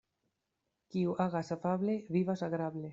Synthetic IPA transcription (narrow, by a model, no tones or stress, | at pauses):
kiuaɣasafaβleβiβasaɣɾaβle